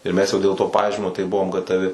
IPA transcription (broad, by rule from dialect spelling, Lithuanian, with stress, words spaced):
ɪr ˈmʲɛs jɛʊ dʲeːlˠ toː ˈpɑːʒʲiːmʲoː tɐɪ ˈbʊʋoːm ɡɐtɐˈʋʲɪ